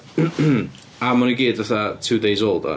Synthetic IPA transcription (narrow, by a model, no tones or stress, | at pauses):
amɔniɡiːdvaθatʰuːdejzolˠda̰